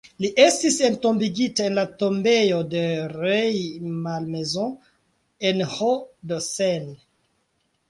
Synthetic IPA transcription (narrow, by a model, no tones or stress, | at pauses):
liʔe̞stisentombiɡitae̞nlatombe̞jo̞de̞ɾejmalmezõ | enhodosen